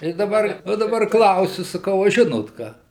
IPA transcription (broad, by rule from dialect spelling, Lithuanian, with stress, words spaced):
tɐɪ dɐˈbɐr ʋɐ dɐˈbɐr ˈklˠɐʊsʲʊ sɐˈkɐʊ ɐ ˈʒʲɪnoːt ˈkɑː